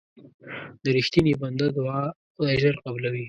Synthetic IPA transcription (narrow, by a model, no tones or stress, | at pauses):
d̪əɾɪxt̪iniband̪ad̪wɑ | d̪aʒaɾqablawi